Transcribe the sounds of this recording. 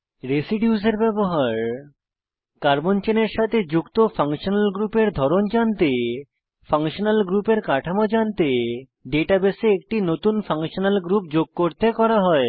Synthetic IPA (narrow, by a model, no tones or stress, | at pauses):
ɾesiɖjuzeɾbɛboɦaɾ | kaɾbont͡ɕeneɾʃat̪ʰed͡ʑukt̪ofaŋʃonalɡɾupeɾd̪ʱɔɾond͡ʑant̪e | faŋʃonalɡɾupeɾkaʈʰamod͡ʑant̪e | ɖeʈabeseek̚ʈinot̪unfʰaŋʃonalɡɾup̚d͡ʑoɡ̚koɾt̪ekɔɾaɦɔe